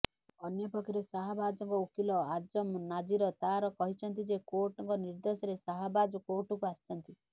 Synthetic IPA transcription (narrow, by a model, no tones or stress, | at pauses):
ɔnjɔpɔkʰiɾesaɦabad͡ʒɔŋkɔukʰilɔad͡ʒɔmnad͡ʒiɾɔt̪aɾɔkɔɦit͡ʃʰɔnt̪id͡ʒekoɾʈɔŋkɔniɾd̪osɔɾesaɦabad͡ʒɔkoɾʈɔkuasi̥t͡ʃʰɔnt̪i